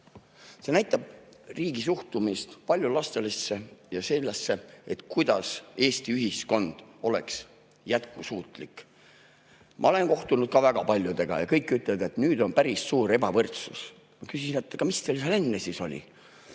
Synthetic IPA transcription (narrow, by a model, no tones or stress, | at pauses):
se̞næjt̪ːˑɑb̥̚riːɡ̥isuht̪umist̪pɑlʲjulɑst̪e̞lesːe̞jɑse̞lːesːe̞et̪ˑkujd̪̥ɑse̞ːst̪iyɦisko̞nd̪̥o̞le̞̰ks | jæt̪kusuːt̪ˑlik | mʔɑ̰o̞le̞nko̞ht̪unud̪̥̚kɑvæɡ̥ɑpɑlʲjut̪e̞ɡ̥ɑ̰jɑ̰kɤjkːˑyt̪ːˑled̪e̞t̪nyːd̪o̞npæɾisːuːɾe̞bɑvɤrt̪sus | mɑkysinet̪ːˑɑɡ̥ɑmist̪elsɑle̞nːesiso̞̰lʲḭ